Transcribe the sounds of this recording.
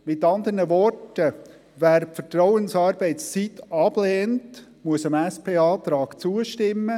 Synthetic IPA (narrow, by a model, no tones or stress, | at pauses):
mɪt̪ɑnd̪ərnəʋɔrtə | væːɾfəɾtɾɔwənsɑːɾbɛɪst͡sit̪ɑb̥lɛːnt | muəsəmæspʰeːɑːt̪ɾɑːkt͡suːəʃtɪmːə